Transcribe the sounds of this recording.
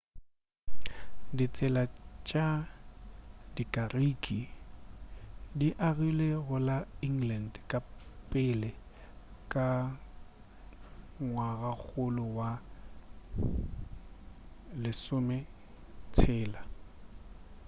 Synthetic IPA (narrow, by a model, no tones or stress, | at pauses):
dit͡sʼɛlat͡ʃʼa | dikʼarikʼi | diʔaɣileɣʊlaiŋlandkʼapʼɪlɛ | kʼa | ŋwaɣak͡xʰʊlʊwa | lɪsʊmɛ | t͡sʰɛːla